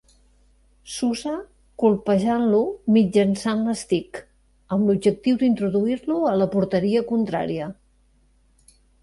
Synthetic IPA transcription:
suza | kulˠpəʒanlumid͡ʒənsanləst̪ik | əmlubd͡ʒək̚t̪iwd̪int̪ɾuðuiɾluələpuɾt̪əɾiəkunt̪ɾa̰ɾiə

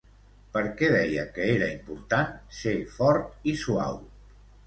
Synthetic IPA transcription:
pəɾkɛðɛjəkəeɾəimpuɾt̪ansefɔɾt̪isua̰w

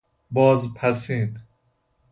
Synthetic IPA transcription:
bɔːzpʰæsiːn

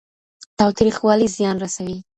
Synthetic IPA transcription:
t̪ɑwt̪ɾixwɑlizjɑnɾasawi

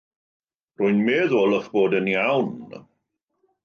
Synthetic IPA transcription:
rʊjnmeːðoːlɔχb̥oːdənjawn

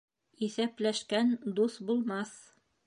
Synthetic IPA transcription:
iθæplæʃkænd̪usbulˠmɑθ

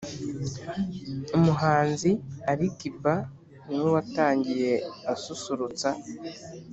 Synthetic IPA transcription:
omuɦaːnziaɾikiba | niwowataːɲɟije̞asusuɾut͡sa

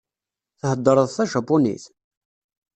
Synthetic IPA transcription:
θhəd̪ːəɾˤəðˤθæʃɑpːunḭθ

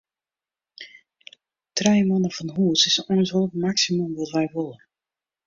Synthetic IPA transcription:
trɛjmɔnəfɔnɦuːsɪsɔjnsɦoltmaksimumʋɔtʋɛjʋʊlˠə

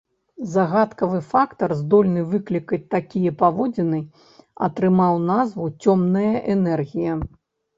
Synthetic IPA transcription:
zɐɣat̪kɐvɨfakt̪ɐrzd̪ɔlʲnɨvɨklʲikɐt͡sʲt̪akʲijɐpavɔd͡zʲinɨ | ɐ̰t̪ɾɨmawnazvut͡sʲɔmnɐjɐʔɛnɛrɣʲijɐ

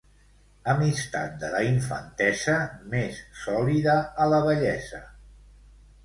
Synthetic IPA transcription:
əmist̪a̰t̪̚d̪ələiɱfə̰nt̪ɛzəmesːɔliðəːləβəʎɛzə

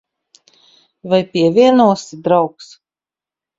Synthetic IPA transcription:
vajpʲiɛvʲiɛnuɔsid̪ɾawks

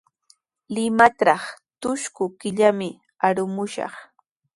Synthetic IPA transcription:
lɪmatɾɑχt̪ʊʃkʊkɪʎamɪ | aɾʊmʊʃɑ̰χ

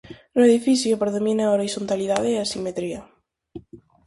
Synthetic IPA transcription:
nueðifiθjopɾeðomĩnaoɾiθont̪aliðaðeasimet̪ɾia

